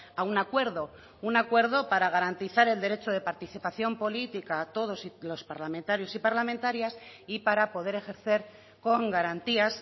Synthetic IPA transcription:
aunakwe̞ɾðo̞ | unakwe̞ɾð̞o̞paɾaɣ̞aɾant̪iθaɾe̞ld̪e̞ɾe̞t͡ʃoð̞e̞paɾt̪iθipaθjo̞mpo̞lit̪ikat̪o̞ð̞o̞silo̞spaɾlamẽnt̪aɾjo̞sipaɾlamẽnt̪aɾjasipaɾapo̞ð̞e̞ɾe̞xe̞ɾθe̞ɾ | ko̞ŋɡaɾant̪ias

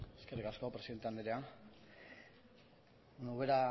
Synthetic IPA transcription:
eskerikaskopɾe̞siðe̞nt̪eand̪eɾea | nouβeɾa

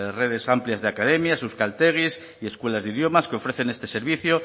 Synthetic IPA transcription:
re̞ð̞e̞sampljazðeakað̞e̞mjasuskalt̪e̞ɣis | ie̞skwe̞lazðiðjo̞maskeo̞fɾe̞θe̞ne̞st̪e̞se̞ɾβ̞iθjo

